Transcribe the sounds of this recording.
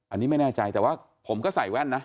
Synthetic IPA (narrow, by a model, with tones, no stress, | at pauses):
ʔa˧niː˦˥ma˥˩jnɛː˥˩t͡ɕa˧jt̪ɛː˨˩waː˥˩ | pʰo˩˦mkɔː˥˩sa˨˩jwɛ˥˩nːa˦˥